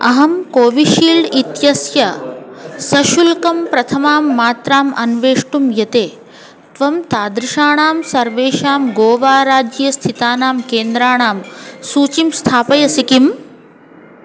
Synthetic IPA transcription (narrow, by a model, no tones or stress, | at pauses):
ɐɦɐmkoːʋiʃiːlɖit̪jɐsjɐ | sɐʃulkɐmpɾɐt̪ʰɐmaːmːaːt̪ɾaːmɐnʋeːʂʈumjɐt̪eː | t̪ʋɐmt̪aːd̪ɾiʃaːɳaːmsɐɾʋeːʃaːmɡoːʋaːɾaːd͡ʒjɐst̪ʰit̪aːnaːmkeːnd̪ɾaːɳaːmsuːt͡ʃimst̪ʰaːpɐjɐsikim